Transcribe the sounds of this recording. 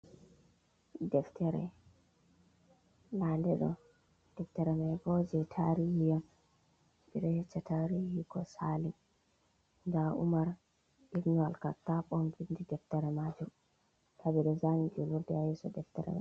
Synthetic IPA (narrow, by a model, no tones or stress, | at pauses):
dɛftɛɾɛ̰ | landɛɗɔ̰ | d̥ɛftɛɾɛmajɡɔd͡ʒɛtʰaɾihijam | biɗɔhɛt͡ʃːataɾihikɔsali | ndaṵmaɾ | ʔikɲɔalkatːaɓɔmvindidɛftɛɾɛmad͡ʒum | tabɛɗɔzamid͡ʒuluɾdɛajɛsɔdɛftɛɾɛ̰ma̰j